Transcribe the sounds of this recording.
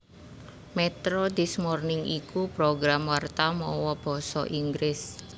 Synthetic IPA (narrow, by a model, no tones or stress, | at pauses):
mɛt̪ɾod̪̥i̤smɔrnɪŋʔikupɾoɡɾamwart̪amɔwɔb̥ɔ̤sɔ̰ʔiŋɡɾɪs